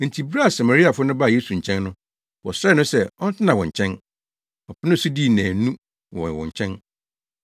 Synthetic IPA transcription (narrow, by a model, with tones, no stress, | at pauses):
n̩˨tʰi˨bɾa˦a˨sa˨ma˨ɾi˦a˨fʊ˦nʊ̃˦ba˦˨je˦su˨ɲ̩˨t͡ɕʰɛ̃˦nːʊ̃˦ | wɔ˨sɾɛ˦nʊ̃˦sɛ˦ɔ˦n̩˦tʰɪ˦nã˨wɔ̃˨ɲ̩˨t͡ɕʰɛ̃˦n | ɔ˨pʰɪ˦nɪ̃˦ɔ˨su˦diː˦˨næ̃ː˨nũ˦ | wɔ̰̃˨wɔ̰̃˨ɲ˨t͡ɕʰɛ̃˦n